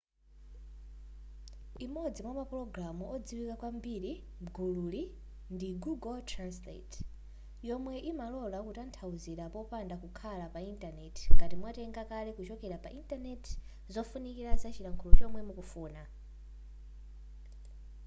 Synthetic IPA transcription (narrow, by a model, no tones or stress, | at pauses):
imɔd͡zimamapɾɔɡɾamuɔd͡ziwikakwambiɾi | ɡululi | ndiɡuɡɔtʰranslḛt | jɔmwɛʔimalɔlakutantʰauziɾapɔpandakukʰalapaintanɛtʰi̥ŋɡatimwatɛŋɡakalɛkut͡ʃɔkɛɾapa̰ʔintanɛtʰ | zɔfunikiɾazat͡ʃiɾaŋkʰulɔt͡ʃɔmwɛmukufuːna